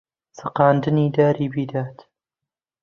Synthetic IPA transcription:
sɨqɑːnd̪ɨniːd̪aːɾiːbiːd̪aːt̪

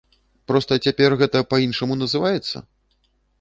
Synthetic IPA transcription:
pɾɔst̪ɐt͡sʲapʲɛrɣɛt̪ɐpɐinʂɐmunɐzɨvajɛt̪sːɐ̰

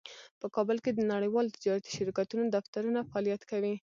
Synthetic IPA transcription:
pəkɑbəlked̪ənaɽəjwɑlot̪ɪd͡ʒɑɾat̪i̥ʃɪɾkat̪unod̪aft̪aɾunafaɑlijat̪kawi

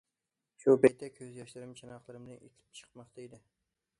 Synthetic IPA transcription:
ʃubɛjt̪ʰːɛkʲʰøzjɑʃlɪɾɪmt͡ʃʰenɑχlˠɨɾɨmd̪ɨnek̪ʲʰɪ̥p̚t͡ʃʰə̥qmɑqt̪ʰaed̪ɪ

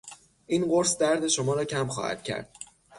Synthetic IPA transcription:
ʔiːnɢo̞ɾsd̪æɾd̪e̞ʃomɒːɾɒːcʰæmxɒ̰ːhæ̰d̪̥̚cʰæ̰ɾd̪̥

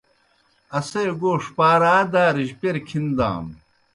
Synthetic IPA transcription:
ɐsejɡoːʂpaːɾaːd̪aːɾiʑpeɾkʰind̪a̰ːm

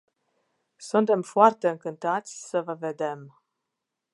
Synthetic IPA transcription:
sunt̪e̞mfoart̪e̞ɨŋkɨnt̪at̪sʲsəvəve̞d̪e̞m

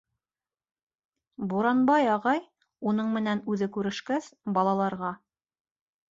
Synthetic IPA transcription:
buɾɑnbɑjɑʁɑj | unɤɴmɘ̆nænʉðɘkʉɾɘ̆ʃkæsbɑlˠɑlˠɑɾʁɑ

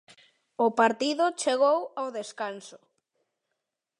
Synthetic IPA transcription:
ʊpaɾt̪iðʊt͡ʃeɣowawðeskansʊ̥

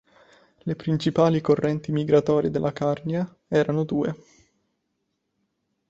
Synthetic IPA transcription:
lepɾint͡ʃipaːlikorːɛnt̪imiɡɾat̪ɔːɾjed̪elːakarnia | ɛːɾanod̪uːḛ

